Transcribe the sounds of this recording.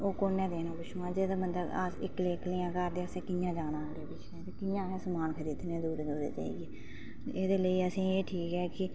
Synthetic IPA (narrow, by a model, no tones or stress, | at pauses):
oːkoːnɛ̃ːd̪eːnãːbʊʃũãːd͡ʒeːd̪aːmənd̪əɡə̰sɪ̰kːleːkliːãːkəɾd̪eːəsẽːkɪjãːd͡ʒaːnãːleːbɪt͡ʃɛːt̪eːkɪjãːɛ̃ːsəmaːnkʰəɾiːd̪nẽːd̪uːɾd͡ʒoːd̪ḛːt͡ʃa̰ːḭːɡeː | d̪eːləiːəsĩːeːʈʰiːkɛːkɪ